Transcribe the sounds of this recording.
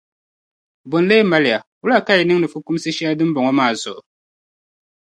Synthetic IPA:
bo˨n˦le˦ma˦lɪ˨a˨wu˦la˦˨ka˦i˨nɨ˦ŋnɨ˨fu˦ku˦m˦sɨ˦ʃɛ˦a˦dɨ˦m˦bɔ˨ŋɔ˦maː˦˨zʊ˨ʔʊ˨

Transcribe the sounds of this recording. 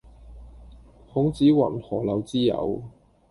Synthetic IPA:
hʊ˨˥ŋt͡siː˨˥wɐ̰˨˩nhɔː˨˩lɐ˨˧wt͡siː˥jɐ̰˨˧w

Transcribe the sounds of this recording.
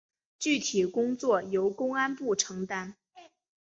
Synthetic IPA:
t͡ɕy˥˩t̪ʰi˨˩kʊ˥ŋt͡swɔ˥˩jo˧˥ʊkʊ˥ŋa˥npu˥˩ʈ͡ʂʰɤ˧˥ŋt̪a˥n

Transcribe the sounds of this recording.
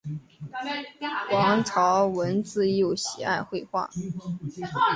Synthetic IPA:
kwɑ˧˥ŋʈ͡ʂʰɑ˧˥ʊwə˧˥nt͡sɹ̩˥˧jo˥˩ʊɕi˨˩a˥˧ɪxwe˥˧ɪxwa̰˥˩

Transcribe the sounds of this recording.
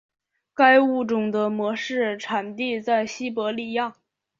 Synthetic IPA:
ka˥ɪu˥˩ʈ͡ʂʊ˨˩ŋd̪ə˦mwɔ˧˥ʂɻ̩˥˩ʈ͡ʂʰa˨˩nt̪i˥˧t͡sa˥˩ɪɕi˥pwɔ˧˥li˨˩jɑ˥˩ŋ

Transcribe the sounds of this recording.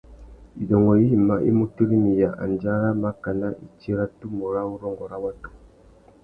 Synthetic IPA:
i˨dɔ˨ŋɡɔ˨i˦hi˨ma˨ʔḭ˦mu˦tu˦ɾi˦mi˨ja˨ʔa̰˨nd͡ʒa˦ɾa˦ma˦ka˨na˦ʔi˨t͡ʃi˦ɾa˦tu˦mu˨ɾa˦u˦ɾɔ˦ŋɡɔ˨ɾa˦wa˦tu̥˨

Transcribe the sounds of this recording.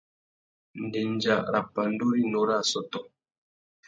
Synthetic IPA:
n̩˨dɛ˨n˦d͡ʒa˦˨ʔɾa̰˨pa˨n̩˦do˦ɾi˦nɔ˨ɾa˦˨sɔ˦tɔ˨

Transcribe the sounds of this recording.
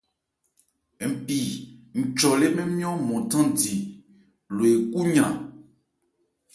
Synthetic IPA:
m̩˨pi˨ŋ̩˨t͡ʃɔ˨le˦me˦mĩ˦ɔ̃˦mɔ̃˨tã˦di˨ | lo˨e˨ku˦ɲã˨

